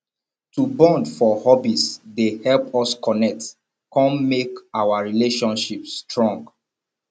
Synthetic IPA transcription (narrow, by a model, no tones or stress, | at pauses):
tubɔ̃ndfɔhɔbisdehɛlpɔskɔnɛk̚t | kɔ̃nmekawaɹileʃɔ̃nʃipstɹɔ̃ŋɡ